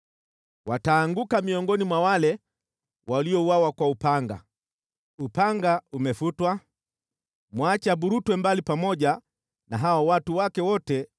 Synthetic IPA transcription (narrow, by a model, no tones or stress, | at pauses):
wataːŋɡukamiɔŋɡɔnimwawalɛ | wʔaliɔuwawakwaupaŋɡa̰ | upaŋɡaumɛfutwa | mwat͡ʃabuɾutwɛmbalipamɔʄa | naɦawawatuwakɛwɔtɛ